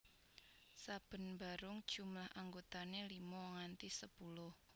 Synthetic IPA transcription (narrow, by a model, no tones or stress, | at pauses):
sab̥ə̤nmba̤ɾʊŋd̥ʒ̥ṳmlahʔaŋɡot̪anelimɔŋant̪isəpulʊh